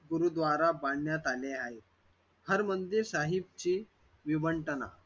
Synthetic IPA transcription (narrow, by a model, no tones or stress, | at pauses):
ɡuɾud̪ʋaɾabaɳːjat̪aleaɦe | həɾmənd̪iɾsaɦib̚t͡ɕiː | ʋiʋəɳʈəna̰